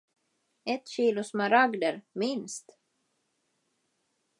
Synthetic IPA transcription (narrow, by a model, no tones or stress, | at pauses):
ɛt̪ːɕiːlʊsmaɾaɡd̪əɾmɪnst̪